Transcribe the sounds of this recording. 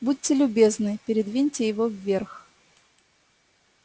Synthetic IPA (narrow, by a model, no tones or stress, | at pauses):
but̚ʲtʲɪlʲʊbʲeznɨpʲɪɾʲɪd̪vʲinʲtʲɪjɪvovːʲerx